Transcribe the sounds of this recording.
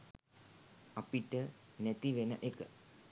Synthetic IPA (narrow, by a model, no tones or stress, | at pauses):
apiʈənæt̪iʋenəʔekə